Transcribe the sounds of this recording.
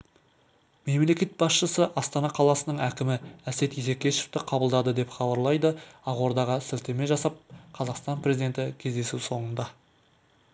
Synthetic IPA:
me̞mle̞kʲe̞t̪̚bɑsʃəsəʔɑst̪ɑnɑqʰɑlˠɑsənəɴækʲɪmɪæse̞t̪ise̞kʲːe̞ʃeft̪ɪqʰɑbəlˠd̪ɑd̪əd̪e̞pχɑbɑɾlˠɑjd̪əɑʁwo̞ɾd̪ɑʁəsɪlt̪eme̞ʒɑsɑp̚qʰɑzɑqst̪ɑnprʲe̞zid̪e̞nt̪ɪkʲʰe̞zd̪e̞suwso̞ɴənd̪ɑ

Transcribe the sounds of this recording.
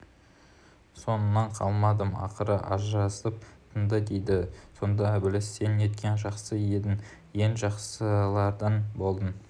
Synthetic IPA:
so̞nənːɑɴqʰɑ̰lˠmɑd̪əmɑ̰qəɾəʔɑ̰ʒɾɑsəp̚t̪ʰənd̪əd̪e̞jd̪ɪso̞nd̪ɑbɪlɪsːene̞t̪kʲe̞nʒɑqsəjed̪ɪŋ | je̞nʒɑqsəlˠɑɾd̪ənbo̞lˠd̪ən

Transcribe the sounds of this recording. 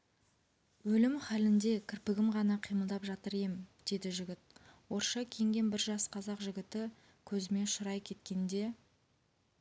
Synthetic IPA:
wɵlɪmχælɪnd̪e̞kʲʰɪɾpɪɡʲɪmʁɑnɑqʰijməlˠd̪ɑpʒɑt̪əɾemɪd̪̥e̞d̪ɪʒɪɡʲɪt̪̚wo̞ɾʃɑkʲʰe̞ŋɡʲe̞nbɪɾʒɑsqʰɑzɑqʒɪɡʲɪt̪ɪ | kʲʰɵzɪme̞nʃʊɾɑjkʲʰe̞t̪̚kʲe̞nd̪e̞

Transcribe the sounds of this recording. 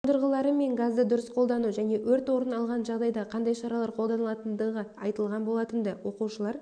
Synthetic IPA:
t̪ʰəɾʁəlˠɑɾəme̞ŋɡazd̪əd̪ʊɾəsqʰo̞lˠd̪ɑnuʒæne̞wɵɾt̪wo̞ɾənɑlˠʁɑnʒɑʁd̪ɑjd̪ɑqʰɑnd̪ɑjʃɑɾɑlˠɑɾqʰo̞lˠd̪ɑnəlˠɑt̪ənd̪əʁəɑjt̪əlˠʁɑnbo̞lˠɑt̪ənd̪ɪwo̞quʃəlˠɑɾ

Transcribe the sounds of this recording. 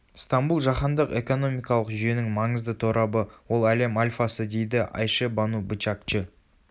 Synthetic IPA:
st̪ambulˠʒɑχɑnd̪əqe̞ko̞no̞mijkɑlˠəqʒʏje̞nɪŋmɑɴəzd̪ət̪ʰoɾʔɑbəwo̞lˠæle̞malʲfɑsəd̪e̞jd̪ɪʔɑ̰jʃəbanubɪt͡ʃakt͡ʃɪ

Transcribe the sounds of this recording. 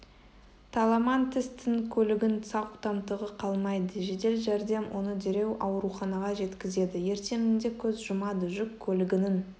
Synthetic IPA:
t̪ʰɑlˠɑmɑnt̪ʰɪst̪ɪŋkʲʰɵlɪɡʲɪnsɑqut̪ɑmt̪əʁəqʰɑlˠmɑjd̪əʒe̞t̪e̞lʒæɾd̪e̞mwʔo̞nəd̪eɾe̞wʔɑwɾuχɑnɑʁɑʒe̞t̪kʲɪze̞d̪ɪje̞ɾt̪e̞mɪnd̪e̞kʲʰɵzʒʊmɑd̪ʊʒɪkʲʰːɵlɪɡʲɪnɪn

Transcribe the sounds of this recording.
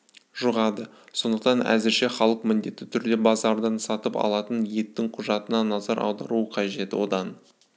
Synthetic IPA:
ʒuʁɑd̪ə | so̞nd̪əqt̪ɑnæ̰zɪɾʃe̞χɑlˠəqmɪnd̪e̞t̪ːɪt̪ʰʏɾd̪e̞bɑzɑɾd̪ɑnsɑt̪əpɑ̰lˠɑt̪ənje̞t̪ːɪŋqʰʊʒɑt̪ənɑnɑzɑɾɑ̰wd̪ɑɾuəqʰɑʒe̞t̪ɪwo̞d̪ɑn

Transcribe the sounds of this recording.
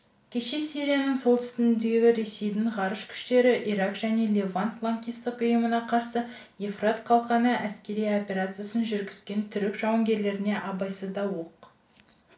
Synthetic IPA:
kʲʰe̞ʃe̞siɾijanəɴso̞lˠt̪ʰʏ̥st̪ɪnɪnd̪e̞ɡʲɡʲɪɾe̞se̞jd̪ɪɴʁɑɾəʃkʲʰʏ̥ʃt̪e̞ɾɪʔiɾakʒ̥æne̞lʲe̞vanpʰlˠaŋkʲijst̪əqʊjəmənɑqʰɑɾsə | jefrat̪qʰɑlˠqɑnəʔæskʲe̞ɾijo̞pʲe̞ɾat̪sɨjasənʒʏɾɡʲɪzɡʲe̞nt̪ʰʏɾɪkʒ̥ɑwəŋɡʲe̞ɾle̞ɾɪne̞ʔɑbɑjsəzd̪ɑwoq

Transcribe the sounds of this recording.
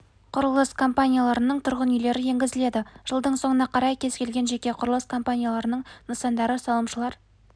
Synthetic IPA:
qʰʊɾəlˠəskʰo̞mpanʲijalˠɑɾənəɴt̪ʰʊɾʁənʏjle̞ɾɪje̞ŋɡʲɪzɪle̞d̪ɪʒ̥əlˠd̪əɴso̞ɴənɑqʰɑɾɑjkʲʰe̞z̥kʲʰe̞lɡʲe̞nʒe̞kʲe̞qʰʊɾəlˠəskʰo̞mpanʲijalˠɑɾənəɴnəsɑnd̪ɑɾəsɑlˠəmʃəlˠɑɾ

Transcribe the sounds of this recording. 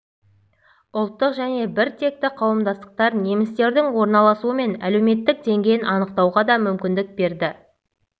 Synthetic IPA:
ʊlˠt̪ːəqʒæne̞bɪɾt̪ʰe̞k̚t̪ɪqʰɑwəmd̪ɑst̪ə̥q̚t̪ɑɾne̞mɪst̪e̞ɾd̪ɪŋwo̞ɾnɑlˠɑsuəme̞næ̰le̞wme̞t̪ːɪk̚d̪e̞ŋɡʲe̞jɪnʔɑnəq̚t̪ɑwʁɑd̪ɑmʏmkʲɪnd̪ɪk̚be̞ɾd̪ɪ

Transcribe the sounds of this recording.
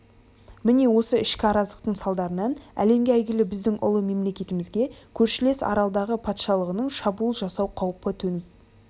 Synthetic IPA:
mɪne̞wo̞səɪʃkʲɪɑɾɑzlˠəqt̪əɴsɑlˠd̪ɑɾənɑnæ̰le̞mɡʲeæjɡʲɪlɪbɪzd̪ɪŋʔʊ̰lˠəme̞mle̞kʲe̞t̪ɪmɪzɡʲe̞kʲʰɵɾʃɪle̞sɑ̰ɾɑlˠd̪ɑʁəpʰɑt̪ʃɑlˠəʁənəɴʃɑbulˠʒɑsɑwqʰɑwpət̪ʰɵnɪt

